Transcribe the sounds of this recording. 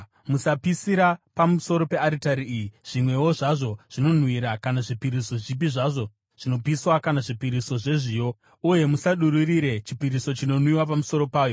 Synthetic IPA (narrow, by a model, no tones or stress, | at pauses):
musapisiɾapamuso̞ɾo̞pe̞aɾitaɾiːjiʐ̥imwe̞woʐaʐo̞ʐ̥ino̞n̤wiɾakanaʐipiɾiso̞ʐip̬iʐaʐo̞ | ʐ̥ino̞piswakanaʐipiɾiso̞ʐe̞ʐijo̞ | uje̞musaɗuɾuriɾe̞t͡ʃipiɾiso̞t͡ʃino̞nwiwapamuso̞ɾo̞paːjo̞